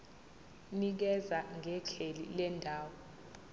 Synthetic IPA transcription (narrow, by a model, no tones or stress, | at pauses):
nik̬ɛzaŋʱɛt͡ɬʰelḭlɛndʱaːwɔ